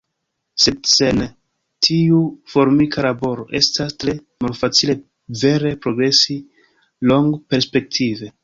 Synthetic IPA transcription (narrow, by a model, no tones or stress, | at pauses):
se̞dse̞n | tʰiufo̞ɾmikalabo̞ɾo̞ʔe̞stastɾe̞ | malfat͡sile̞ | ve̞ɾe̞pɾo̞ɡɾe̞si | lo̞ŋɡpe̞ɾspe̞k̚tʰive̞